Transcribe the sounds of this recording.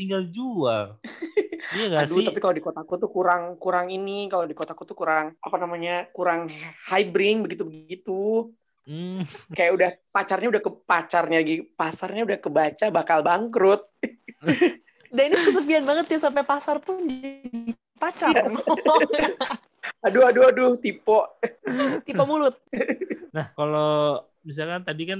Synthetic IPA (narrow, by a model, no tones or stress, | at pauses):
t̪iŋɡald͡ʒual | aadut̪apikalodikot̪akut̪ukuɾaŋkuɾaŋinikalodikot̪akut̪ukuɾaŋʔapanamaɲakuɾaŋhajbɾɪŋbəɡit̪ubəɡit̪u | kajaʔudahpat͡ʃarɲaudahkəpat͡ʃarɲaaɡipasarɲaudahkəbat͡ʃabakalbaŋkɾʊt̪̚ | dainikəsəpianbaŋət̪jasamp̬epasarpʊnd͡ʒi | pat͡ʃar | aduaduadʊht̪ipɔʔ | t̪ipɔmulʊt̪̚nahkalo | bis̬alkant̪adikan